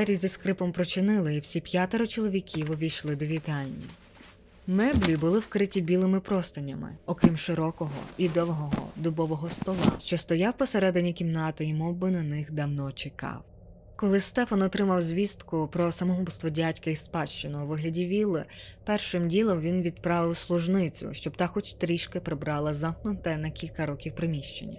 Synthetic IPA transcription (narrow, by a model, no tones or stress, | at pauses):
ɛɾʲizʲd̪ɐskɾɪpɔmpɾɔt͡ʃɪnɪlˠɪiwsʲipjat̪eɾɔt͡ʃɔlˠɔʋʲikʲʰiwɔʋʲijʃlˠɪd̪ɔʋʲit̪ɑlʲːḭ | mɛblʲibʊlˠɪwkɾɪtʲibʲilˠɪmɪpɾɔst̪ɐnʲːɐmɪ̰ɔkɾʲimʃɪɾɔkɔɦɔ̰id̪ɔʋɔɦɔɦɔ̰d̪ʊbɔʋɔɦɔst̪ɔlˠɑ̰ʃt͡ʃɔst̪ɔjɑwpɔseɾɛd̪ɪnʲːikʲimnɑt̪ɪimɔbɪnɐnɪxd̪ɐwnɔt͡ʃɪkɑ̰w | kɔlˠɪst̪ɛfɐnɔt̪ɾɪmɐwzʲʋʲist̪kʊpɾɔsɐmɔɦupst̪ʋɔdʲatʲkɐispɑt͡ʃt͡ʃɪnɐuʋɪɦlʲɐdʲiʋʲilˠɪpɛrʃɪmdʲilˠɔwʋʲinʋʲid̪̚pɾɑʋɪwslˠʊʒnɪt͡sʲʊ̰ʃt͡ʃɔbt̪ɑxɔt͡ʃt̪ɾʲiʃkɪpɾɪbɾɑlˠɐzɑmknʊt̪ɛnɐkʲilʲkɐɾɔkʲiwpɾɪmʲiʃt͡ʃḛnʲːɐ̰